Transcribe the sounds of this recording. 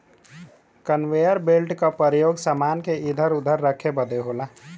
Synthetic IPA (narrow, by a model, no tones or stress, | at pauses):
kənwejəɾbelʈkapəɾjoːɡsaːmaːnkeid̪ʱəɾʊd̪ʱəɾːəkʰebəd̪eɦola